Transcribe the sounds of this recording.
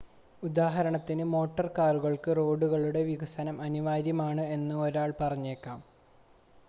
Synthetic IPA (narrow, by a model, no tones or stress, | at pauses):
ud̪aːɦɐɾɐɳɐt̪ːinɨmo̞ːʈːɐrkaːruɣɐɭkɨro̞ːɖuɣɐɭuɽe̞ʋiɡɐsɐnɐmɐniʋaːɾjɐmaːɳɨe̞nːɨo̞ɾaːɭpɐrɐɲːeːkːaːm